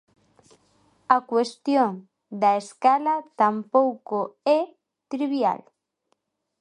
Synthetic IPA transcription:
akwest̪joŋ | d̪aeskalat̪ampowkoɛ | t̪ɾiβja̰l

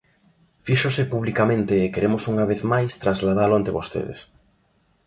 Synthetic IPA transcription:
fiʃʊsɪpuβlikamẽnt̪eːkeɾemosuŋaβeθmajst̪ɾazlað̞aloant̪ɾeβost̪ḛðḛs

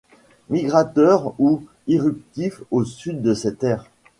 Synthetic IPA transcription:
miɡʁat̪œʁu | iʁyp̚t̪ifosyd̪ːəsɛt̪ɛːʁ

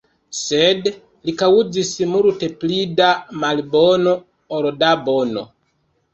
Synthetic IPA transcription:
sed | likaud͡zismuɾuteplidamalbono | oɾodabono̰

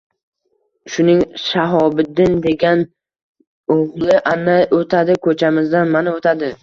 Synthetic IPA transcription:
ʃʊnɪŋʃaɦɒbɪd̪ɪnd̪e̞ɡʲan | oʁlˠɪʔanːajot̪ʰad̪ɪkʰɵt͡ʃʰamɪzd̪anmanɪot̪ʰad̪ɪ

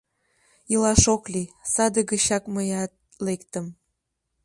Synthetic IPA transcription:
ilɑʃoklisɑd̪əɣəɕɑkməjɑt̪̚ | lekt̪əm

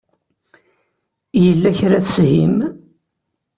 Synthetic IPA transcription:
jəlːæçɾæθshim

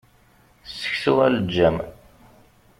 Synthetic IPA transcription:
sːə̥çsʊʁæləd͡ʒːæm

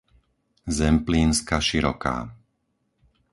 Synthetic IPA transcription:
zɛmpliːnskaʃiɾɔ̰ka̰ː

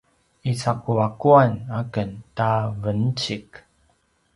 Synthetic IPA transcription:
it͡sakuakuanakəntavənt͡ɕik

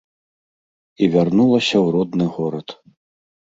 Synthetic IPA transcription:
ivʲarnulˠɐsʲɐwrɔd̪nɨɣɔɾɐt̪

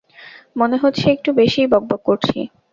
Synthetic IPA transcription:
moneɦot̪ːɕʰeek̚ʈubeʃijbɔɡ̚bokːoɾt͡ɕʰḭ

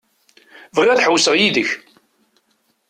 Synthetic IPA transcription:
vəʁæθħəwːsəʁjiðəç

